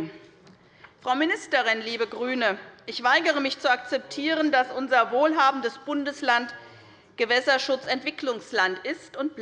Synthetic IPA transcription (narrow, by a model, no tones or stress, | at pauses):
fʁ̥aʊmɪnɪstəʁɪnliːbəɡʁyːnəʔɪçv̥aɪɡəʁ̞əmɪçt͡suakt͡sɛp̚tʰiːʁəndasʔʊnzɐvoːlɦaːbm̩dəsb̥ʊndəslant | ɡ̥əvɛsɐʃʊt͡sɛntv̥ɪklʊŋslantɪstʊnt̚b̥